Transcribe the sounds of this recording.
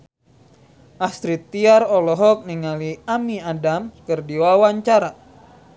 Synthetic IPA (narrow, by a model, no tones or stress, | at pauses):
ʔast̪ɾit̪ːiaɾɔlɔɦɔk̚niŋaliamiadamkɨrdiwawaɲt͡ʃaɾa